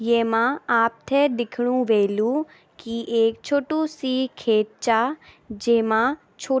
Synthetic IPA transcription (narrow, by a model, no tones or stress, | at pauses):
jeːmãaːp̚t̪ʰɛd̪ɪkʰɽ̃ũʋeːlu | kiʔeːkt͡ʃʰoːʈũsikʰeːʈ̪̚t͡ʃaː | d͡ʒeːmã | t͡ʃʰoː